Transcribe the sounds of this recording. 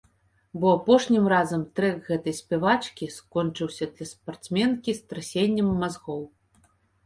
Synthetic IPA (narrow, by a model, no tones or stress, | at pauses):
bɔapɔʂnʲimrazɐmt̪ɾɛɣɛt̪ɐjsʲpʲɛvat͡ʂkʲiskɔnt͡ʂɨwsʲɐd̪lʲɐspart̪smʲɛnkʲist̪ɾasʲenʲːɐmːazɣɔw